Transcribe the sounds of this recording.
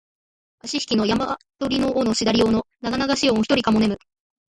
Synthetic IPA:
aɕiɕi̥kʲino̞jama | t̪o̞ɾʲino̞ːnoɕid̪aɾʲiono̞naɡanaɡaɕiooçi̥t̪o̞ɾʲikamo̞ne̞mɯ̟

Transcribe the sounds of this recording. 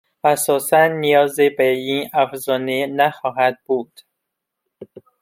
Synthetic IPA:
æsɒːsænːijɒːzebeinæfzɒːnenæxɒːɦæd̪̚buːd̪̥

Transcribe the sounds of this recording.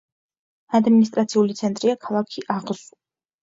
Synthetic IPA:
ad̪minist̪ʼɾat̪sʰiulit̪sʰɛnt̪ʼɾiakʰalˠakʰiʔaʁz

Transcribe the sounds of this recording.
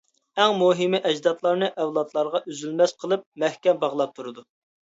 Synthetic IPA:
ɛŋmuɦɪmɪʔɛd͡ʒd̪ɑt̪lˠɑɾnɨʔɛwlˠɑt̪lˠɑɾʁɑʔyzylmɛsqʰəlˠɨp̚mɛhkʲɛmbɑʁlˠɑp̚t̪ʰuɾɨd̪u

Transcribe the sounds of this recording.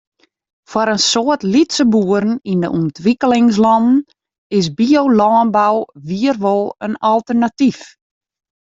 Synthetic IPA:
fɔɾənsoətlitsəbuəɾn̩ində̰ʔuntʋikəlɪŋs̬lɔnn̩ | ɪsbiowlɔːnbawʋiərʋolˠənɔlˠtərnatif

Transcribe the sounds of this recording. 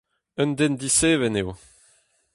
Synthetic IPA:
œnd̪end̪iseːvɛnew

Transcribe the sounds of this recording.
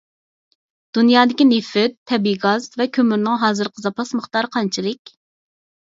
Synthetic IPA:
d̪̥unjɑːd̪ɪkʲinefɪtt̪ʰːɛbiɡɑzvɛkʲʰømyɾnɪŋɦɑːzɨɾqʰəzɑpɑsməχt̪ɑɾqʰɑnt͡ʃʰilˠɨkʲ

